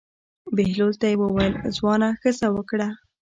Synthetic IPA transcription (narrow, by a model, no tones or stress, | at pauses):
behlolt̪ajewəwajəlzwɑnaxəzawəkɽa